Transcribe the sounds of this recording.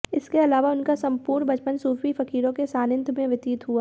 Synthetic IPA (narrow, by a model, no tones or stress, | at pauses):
ɪskeɐlaːʋaʊnkasɐ̃mpuːɾnbɐt͡ʃpənsuːfifɐkiːɾõkesaːnɪ̃nd̪ʰʱmẽʋɪt̪iːt̪ɦuaː